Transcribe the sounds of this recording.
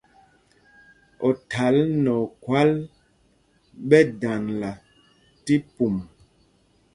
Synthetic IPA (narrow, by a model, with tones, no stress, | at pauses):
ɔ˨tʰa˨˦lnɔ˨kwa˦l | ɓɛ˦da˨nla˨ | ti˦pu˨m